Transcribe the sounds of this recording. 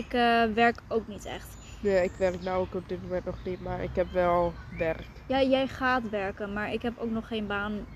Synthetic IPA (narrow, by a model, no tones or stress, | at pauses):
ɪkʋɛɹkowknitɛ̰χt | neːɪkʋɛrknawokɔp̚dɪt̚momɛ̃ntnɔχnitmaɹɪ̰kɦɛpʋɛlˠʋɛrkjaːjɛjχaːtʋɛɹkənmaːɹʔɪkɦɛpowknɔχːejnbaːn